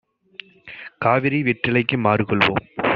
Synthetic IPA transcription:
kaːʋɪɾiʋɛʈːɪlɐɪkːɯmaːɾɯkɔɭʋo̰ːm

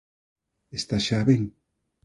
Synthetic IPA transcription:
est̪aʃaβeŋ

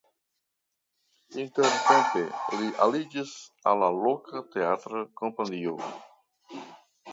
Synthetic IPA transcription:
inteɾtenteliʔalid͡ʒisalːalokʰat̪eat̪ɾakompanio

